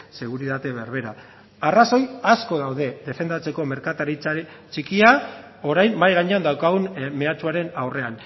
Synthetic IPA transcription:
se̞ɣ̞uɾiðat̪eβe̞ɾβe̞ɾa | araso̞jasko̞ð̞awðe̞ðe̞fe̞nd̪at͡se̞ko̞me̞ɾkat̪aɾit͡sa | t͡ʃikia | o̞ɾajmːajɣaɲeand̪awkaɣ̞unme̞at͡ʃuaɾe̞nawre̞an

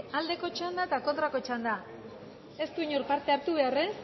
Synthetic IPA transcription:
ald̪e̞ko̞t͡ʃand̪at̪ako̞nt̪ɾako̞t͡ʃand̪a | e̞st̪uiɲoɾpaɾt̪e̞aɾt̪uβ̞e̞ares

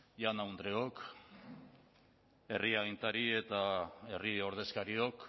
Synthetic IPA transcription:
janawnd̪ɾeok | e̞riaɣint̪aɾie̞t̪ae̞rio̞ɾð̞e̞skaɾio̞k

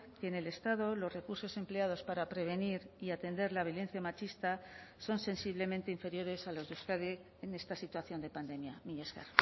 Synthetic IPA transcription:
keːne̞le̞st̪aðo̞lo̞zre̞kuɾso̞se̞mpleað̞o̞spaɾapɾe̞β̞e̞niɾiat̪e̞nd̪e̞ɾlaβjo̞le̞n̟θjamat͡ʃist̪aso̞nse̞nsiβle̞mẽnt̪e̞iɱfe̞ɾjo̞ɾe̞salo̞zðuskaðeː | ne̞st̪asit̪waθjo̞nd̪e̞pand̪e̞mjamiɲeska̰ɾ

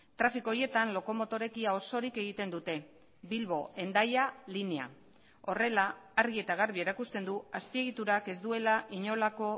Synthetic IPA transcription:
t̪ɾafikoje̞t̪anlo̞ko̞mot̪o̞ɾe̞kiao̞so̞ɾike̞ɣ̞it̪e̞nd̪ut̪e̞ | bilβo̞e̞nd̪ajalinea̰ | o̞re̞laːɾɣie̞t̪aɣ̞aɾβie̞ɾakust̪e̞nd̪uaspie̞ɣit̪uɾake̞zd̪ue̞laʔiɲo̞lako̞

